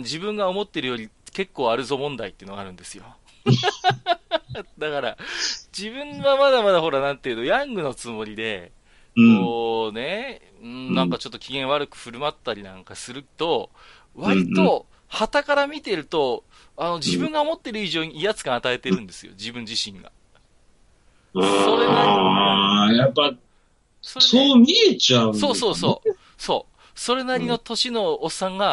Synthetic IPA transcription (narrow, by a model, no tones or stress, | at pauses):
d͡ʑibɯ̟̃ŋɡao̞mo̞t̪ːe̞ɾɯjo̞ɾʲike̞kːo̞ːaɾɯ̟zo̞mõ̞nd̪ait̪ːeɯ̟noɡaɾɯ̟̃nd̪e̞sɨjo̞̰ | d̪akaɾa̰d͡ʑibɯ̟̃ŋβamad̪amad̪aɦo̞ɾanãnt̪eiɯ̟no̞jãŋɡɯ̟no̞t͡sɨmo̞ɾʲid̪e̞ | koːne̞ | ɯ̟̃ɴnãŋkat͡ɕo̞t̪ːo̥kʲiɡẽ̞ɰ̃βaɾɯ̟kɯ̟̥ɸɯ̟ɾɯ̟mat̪ːaɾʲinãŋkasɨɾɯ̟t̪o̞ | βaɾʲit̪o̞ | hat̪akaɾamʲit̪e̞ɾɯ̟t̪o̞ | ano̞d͡ʑibɯ̟̃ŋɡaomo̞t̪ːe̞ɾɯ̟iʑo̞ːɲ̟iːjat͡sɨ̥kãat̪ae̞t̪e̞ɾɯ̟̃nd̪e̞sɨjo̰d͡ʑibɯ̟̃ɲ̟d͡ʑiɕĩŋɡa̰ | soːd̪ena | japːa | sosoːmʲiet͡ɕaɯsoːso̞ːso̞ː | so̞̰ː | so̞ɾe̞naɾʲino̞t̪o̞ɕino̞ːsːãŋɡa